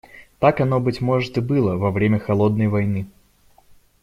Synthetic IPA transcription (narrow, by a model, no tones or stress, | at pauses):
t̪akɐnobɨtʲmɔʐɨt̪ɨbɨlˠɐvɐvɾʲemʲɐxɐlˠɔd̪̚nɐjvɐjnɨ